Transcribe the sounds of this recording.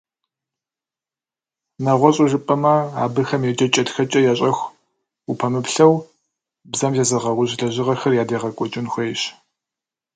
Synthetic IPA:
nɐʁʷɔɕʼʊʒɨpʼɐmɐa̰ːbɨxɐmjɛt͡ʃʼɐt͡ʃʼɐtxɐt͡ʃʼɐjaɕʼɐxʷ | upʰɐmɨpɬɐw | bzɐmzɐzɐʁɐʁʷʊɕɮɐʑɪʁɐxɐrjaːdeːʁɐkʷʼɔt͡ʃʼɪnxʷejɕ

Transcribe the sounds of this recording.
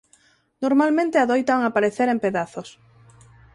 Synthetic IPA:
noɾmalmẽnt̪eaðojt̪aaŋapaɾeθeɾempeðaθos

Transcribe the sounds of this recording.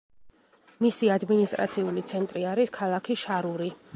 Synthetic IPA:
misiad̪minist̪ʼɾʔa̰t̪sʰiulit̪sʰɛnt̪ʼɾiaɾiskʰalˠakʰiʃaɾuɾi

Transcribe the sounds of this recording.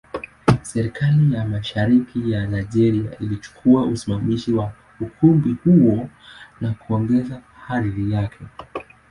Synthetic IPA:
sɛɾikalijamaʃaɾikʰijanajʄɛɾia̰ʔilit͡ʃu̥kʰuaʔusimamiʃiwa | ukʰumbihuwɔnakuɔŋɡɛza | haɾiɾijakʰɛ

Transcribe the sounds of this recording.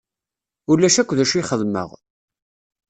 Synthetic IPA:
ulːæʃækʷːðæʃiχəðmə̰ʁ

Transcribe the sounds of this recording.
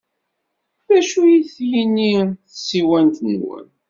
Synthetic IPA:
ðæʃujiθjinːiθəsiwænt̪nwə̰n

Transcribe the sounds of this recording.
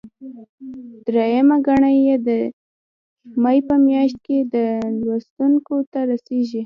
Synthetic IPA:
d̪ɾejamaɡaɳajed̪ə | majpəmjɑʃt̪̚ked̪əlwast̪uŋkot̪aɾaseʒi

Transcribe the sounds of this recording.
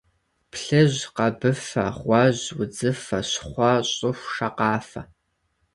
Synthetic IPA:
pʰɬɨʒqɐbɨfɐ̰ʁʷɑʑwʊd͡zɨfɐɕχʷɐɕʼʊxʷʂɐqɑːfɐ

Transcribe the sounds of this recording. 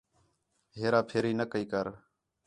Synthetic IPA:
ɦeːɾaːpʰeːɾiːnəkəiːkəɾ

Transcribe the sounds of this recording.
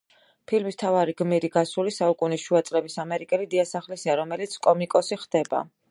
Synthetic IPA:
pʰilmist̪ʰavaɾiɡmiɾiɡasulisaukʼuniʃuat̪sʼɾɛbisamɛɾikʼɛlid̪iasaχlisiaɾɔmɛlit̪sʰkʼɔmikʼɔsiχd̪̥ɛba̰

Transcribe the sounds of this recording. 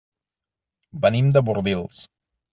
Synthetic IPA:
bənimd̪əβurðilˠs

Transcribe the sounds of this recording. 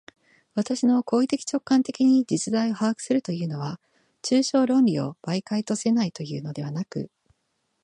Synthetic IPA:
βat̪aɕino̞ko̞ːit̪e̞kʲi̥t͡ɕo̞kːãnt̪e̞kʲiɲ̟id͡ʑit͡sɨd̪aio̞haːkɯ̟̥sɨɾɯ̟t̪o̞jɯ̟ːno̞βa | t͡ɕɨːɕo̞ːɾõ̞nɾʲio̞̰b̥aikait̪o̞se̞nait̪o̞jɯ̟ːno̞d̪e̞βanakɯ̟̰

